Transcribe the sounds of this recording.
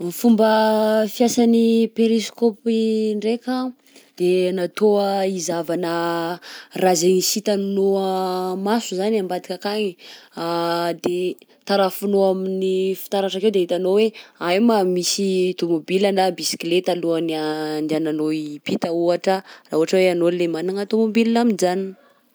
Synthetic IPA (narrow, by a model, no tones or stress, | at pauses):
mifumbəfiasanipeɾiskopiɳɖ͡ʐeka | d̪̥enat̪oəizavanə | razenisit̪annoəmasuzanambad̪ikʲakaɲi | d̪e | t̪aɾafunoaminifi̥t̪aɾaʈ͡ʂakewd̪eɦit̪anoweajmamisit̪omobilanabisi̥klet̪aluanand̪ananoipit̪əuaʈ͡ʂəraːɦuɦaʈ͡ʂəweanolemanaŋət̪omobilnaminizani